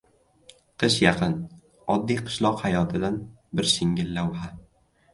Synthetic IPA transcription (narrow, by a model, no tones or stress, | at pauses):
qʰɨʃjɑqʰɨn | ɒd̪ːijqʰɨ̥ʃlˠɒqhajɒt̪ʰɪd̪an | bɪɾsɪŋɡʲɪlːawha